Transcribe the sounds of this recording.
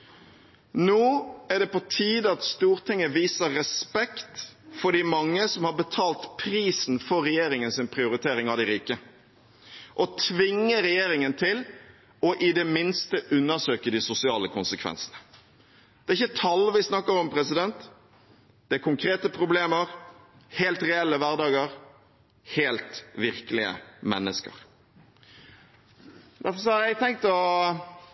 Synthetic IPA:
noːæɖɛpɔt̪ʰiːd̪əɑt̪st̪uːɾt̪ʰɪŋːəʋiːsəːɛspɛkt̪fɔɖɪmɑŋːəsɔmhɑɾbət̪ʰɑːlt̪pʰɾiːsn̩fɔɾːɛjeːɾɪŋənsɪnpʰɾɪʊɾɪt̪ʰeːɾɪŋɑd̪ɪɾiːkə | ʔɔt̪ʰʋɪŋːəɾɛjeːɾɪŋənt̪ʰɪl | ɔʔɪd̪ɛmɪnst̪əʔʉnːəsøːkəd̪ɪsʊsɪɑːləkʰʊ̰nsəkʰʋɛ̰nsənə | d̪̥ɛːɾɪçːət̪ʰɑlʋɪsnɑkːəɾɔmpʰɾɛsɪd̪ɛnt̪ | d̪̥ɛæɾkʊŋkʰɾeːt̪əpʰɾʊbleːməɾ | heːlt̪ɾɛɛlːəʋæɾd̪ɑːɡəɾ | heːlt̪ʋɪɾkəlɪə̰mɛnːəskə̰ɾ | d̪æɾfɔɾs̬ɔhɑɾjæɪt̪ʰɛŋk̚t̪ɔ

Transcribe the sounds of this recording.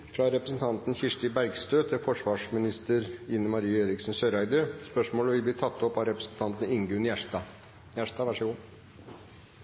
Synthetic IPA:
fɾɑɾɛpɾəsən̩t̪ʰɑnt̪n̩çɪʂʈ̪ɪbæɾɡst̪øːt̪ʰɪfɔʂʋɑːʂmɪnɪst̪əɾɪnəmɑɾiːeːɾɪksnsøɾæɪd̪əspœʂmoːləʋɪbliːt̪ʰɑt̪ːɔpɑʋɾɛpɾəsn̩t̪ʰɑnt̪n̩ɪŋɡʉnjæʂtɑ | jæʂt̪ɑːʋæʂəɡuː

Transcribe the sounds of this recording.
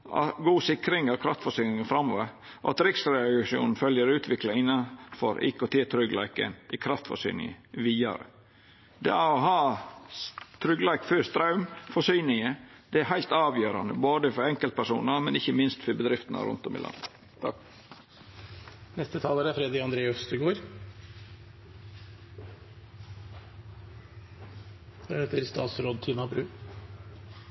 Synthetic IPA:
ʔɑ̰ɡuːsɪkɾɪŋɑʋkʰɾɑft̪fɔsyːnɪŋənfɾɑmːɔʋəɾ | ʔɔ̰ɑ̰t̪ɾɪksɾɛʂɪṵːnn̩fœljəɾʉːt̪ʰʋɪklɑɪnːɑnfɔ̰ɾḛːkot̪ʰeːt̪ʰɾʏɡlæ̰ɪkə̰nʔɪkʰɾɑft̪fɔ̰ʂy̰ːnɪ̰əʋiːɑ̰ɾə̰ | d̪ɛ̰æɾɔɦɑː | t̪ʰɾʏɡlæɪkføːst̪ɾɑʉmfɔsyːnɪəd̪̥ɛæɾɦæɪlt̪ɑːʋjøːɾɑnəboːd̪əfɔɾɛŋkəlt̪̚pʰæʂuːnɑmɛnɪçːəmɪnst̪fɔɾbəd̪ɾɪft̪ənɑ̰ɾʊ̰nt̪ɔmɪ̰lɑ̰nd̪ə | nɛst̪ət̪ʰɑːləːɾæɾfɾɛd̪ɾɪɑnd̪ɾeːɔfst̪ɪɡoːɾ | fɑeːt̪əɾst̪ɑ̰ːt̪sɾoːd̪̚t̪ʰiːnɑbɾʉː

